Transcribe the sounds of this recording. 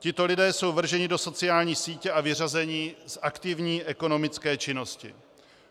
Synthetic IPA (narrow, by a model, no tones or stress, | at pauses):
cɪt̪o̞lɪdɛːso̞wvr̩ʒɛɲɪdo̞so̞t͡sɪjaːlɲiːsiːcɛʔavɪrazɛɲɪzʔakt̪ɪvɲiːʔɛko̞no̞mɪt͡skɛːt͡ʃɪno̞scɪ̰